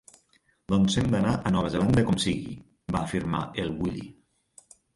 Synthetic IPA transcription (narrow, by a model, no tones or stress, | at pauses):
d̪ɔnsemd̪ənaʔənɔβ̞əzeland̪əkɔmsiɣḭ | baːfiɾma̰ʔelˠwilḭ